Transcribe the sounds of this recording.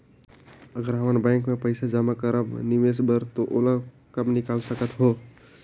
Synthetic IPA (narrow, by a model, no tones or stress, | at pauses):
ɐɡəɾɦɐmanbɛ̃ːŋkmẽpəɪsad͡ʒaːmakəɾəbnɪʋeːsbəɾt̪oʔoːlə | kɐbnɪkaːlsəkət̪ɦoː